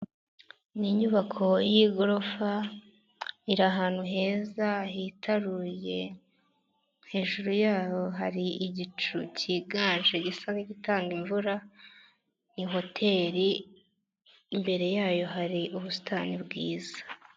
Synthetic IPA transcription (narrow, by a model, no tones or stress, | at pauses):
niɲuβakʰo̞jiɡoɾofa | iɾaɦaːn̥huɦe̞ːzahitʰaɾuje̞ | he̞ːʒuɾujaːjo̞ɦaɾiiɟit͡ʃucʰiɡaːnʒeɟisaniɟitaːŋɡiɱvuɾa | niɦo̞tʰe̞ɾi | mbe̞ɾe̞jaːjo̞ɦaɾiʔuβusi̥tʰaːnibɡiːzḁ